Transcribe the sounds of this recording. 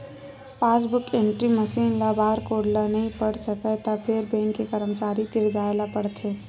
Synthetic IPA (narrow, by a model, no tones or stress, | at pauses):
paːsbʊkẽɳʈɾimɐsiːnlabʱaːɾkoːɽlanɐɦĩpɐɽsɐkət̪apʰɪɾbẽːŋkːekəɾəmt͡ʃaːɾit̪ɪɽd͡ʒaːelapɐɽt̪ʰeː